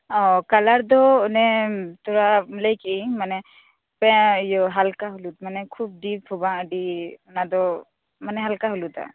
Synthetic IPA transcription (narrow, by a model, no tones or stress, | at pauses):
ɔkalaɾd̪ɔnɛt̪ɔɹaləjkimanɛ | pɛ̃jɔɦalkaɦulut̪̚manɛkʰub̚dip̚hubaədinad̪ɔ | manɛɦalkaɦulut̪a̰